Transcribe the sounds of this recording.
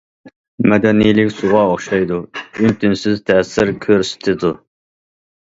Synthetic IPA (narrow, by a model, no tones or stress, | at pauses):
mɛd̪ɛnijlɪkʲsʊʁɑoχʃɑjd̪uynt̪ʰɪnsɪzt̪ʰɛːsɪɾkʲʰøɾsɪ̥t̪ʰɪd̪u